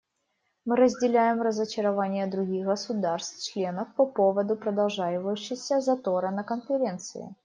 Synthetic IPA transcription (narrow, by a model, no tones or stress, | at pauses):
mɨɾəzʲdʲɪlʲæjɪmrəzət͡ɕɪɾɐvanʲɪjəd̪ɾʊɡʲixɡəsʊd̪arst̪t͡ɕlʲenəfpɐpovəd̪ʊpɾəd̪ɐlˠʐajɪvəjʉɕːɪxsʲəzɐt̪oɾənəkənfʲɪɾʲe̞nt̪sɨ̰ɪ̰